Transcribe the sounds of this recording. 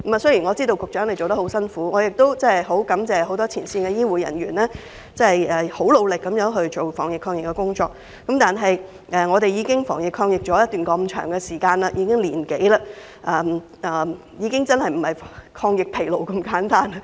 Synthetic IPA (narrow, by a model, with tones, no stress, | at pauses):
mɐ˨˧sɵ˥jiː˨˩nŋɔ˨˧t͡siː˥t̪o˧wkʊ˨k̚t͡ʃœː˨˥ŋlt͡so˨wt̪ɐ˥hɦwsɐ˥nfuː˨˥ŋɔː˨˧jɪ˨k̚t̪o˥wt͡sɐ˥ɐ˨˩jɦo˨˥wkɐ˨˥mt͡sɛː˨ho˨˥wt̪ɔː˥t͡sʰiː˨˩nsiː˧nkɛ˧jiː˥wuː˨˧jɐ̰˨˩nɥy̰ː˨˩nːɛː˥ | t͡sɐ˥hjɛː˨˩ho˨˥wlo˨˧wlɪ˨kːɐ˨˧mjœː˨˥ŋɦɵ˧ɥt͡ʃo˨wfɔ̰ː˨˩ŋjɪ˨kʰːɔː˧ŋjɪ˨kːɛ˧kʊ˥ŋt͡ʃɔ̰ː˧k̚ː | ɐ˨˥mt̪aː˨nɦɐ˨j | ʔɛː˨ŋɔː˨˧t̪e˨jiː˨˧kɪ˥ŋfɔ̰ː˨˩ŋjɪ˨kʰːɔː˧ŋjɪ˨k̚t͡ʃɔː˨˥jɐ˥t̪yː˨nkɔː˧m̩˧t͡ʃʰœ̰ː˨˩ŋɡɛ˧siː˨˩kaː˧nlɐ˧jiː˧kɪ˥ŋliː˨˩nke˨˥jlɐ˧ | ʔɐː˧m | ʔɐː˨˩ | jiː˨˧kɪ˥ŋt͡sɐ˥nhɐ˨˩jm̩˨˩hɐ˨jkʰɔː˧ŋjɪ˨k̚pʰe˨˩jlo˨wkɐ˧mkaː˨˥nt̪aː˥nɐ˧